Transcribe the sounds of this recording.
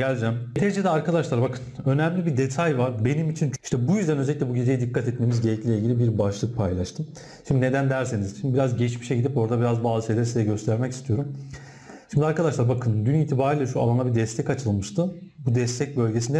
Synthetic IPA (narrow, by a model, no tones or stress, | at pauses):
ɟælʲd͡ʒæmt̪ʰed͡ʒed̪ɛaɾkad̪aʃlˠaɾbakʰɯnø̞næmlʲibid̪et̪ʰajvaɾbe̞nimit͡ʃʰini̥ʃt̪ɛbujyzd̪ænø̞zeicʲɛbuɟed͡ʒ̪ejid̪ikʰːat̪ɛt̪me̞mizɟelʲɛclʲilʲeilʲɟʲilʲibiɾbaʃlˠɯk̚pʰajlˠaʃt̪ʰɯm | ʃimd̪ine̞d̪ænd̪æɾsenizʃimd̪ibiɾazɟɛt͡ʃmiʃɛɟid̪ipo̞ɾd̪abiɾazbaːzɯsejlʲeɾisejɛɟø̞st̪ʰæɾmɛci̥st̪ʰijo̞ɾum | ʃimd̪iaɾkad̪aʃlˠaɾbakʰɯnd̪yniːt̪ʰibaːɾiːlʲɛʃua̰lˠanlˠabid̪ɛst̪ʰɛcat͡ʃʰɯlˠmɯʃt̪ʰɯbud̪ɛst̪ʰɛc̚bø̞lʲɟe̞s̬ind̪ɛ